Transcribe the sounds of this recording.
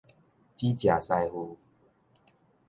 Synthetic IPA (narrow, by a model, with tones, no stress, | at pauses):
t͡ɕi˦t͡ɕja˨˩sa˥˧jhu˧